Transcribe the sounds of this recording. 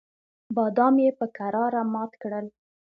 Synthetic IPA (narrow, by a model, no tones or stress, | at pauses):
bɑd̪ɑmjepəkaɾɑɾamɑt̪kɽəl